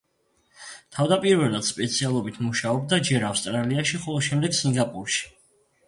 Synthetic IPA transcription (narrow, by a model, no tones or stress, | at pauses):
t̪ʰavd̪apʼiɾvɛlˠad̪̥spʼɛt̪sʰialˠɔbit̪ʰmuʃaɔbd̪ad͡ʒɛɾafst̪ʼɾaliaʃiχɔlˠɔʃɛmd̪ɛɡsiŋɡapʼuɾʃi̥